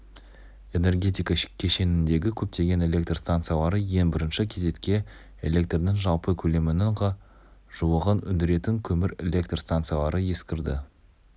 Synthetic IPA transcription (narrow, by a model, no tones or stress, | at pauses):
e̞ne̞rɡʲe̞t̪ijkɑ̥kʲʰːeʃe̞nɪnd̪e̞ɡʲɪkʲʰɵp̚t̪e̞ɡʲe̞ne̞lʲe̞kt̪rst̪ant̪sɨijalˠɑɾəje̞ŋbɪɾɪnʃɪkʲʰe̞ze̞t̪kʲe̞ | e̞̰lʲe̞k̚t̪rnɪŋʒɑlˠpəkʲʰɵle̞mɪnɪŋ | ʒ̥uwəʁənʏnd̪ɪɾe̞t̪ɪŋkʲʰɵmɪɾe̞lʲe̞kt̪rst̪ant̪sɨjalˠɑɾəje̞skʲɪɾd̪ɪ̰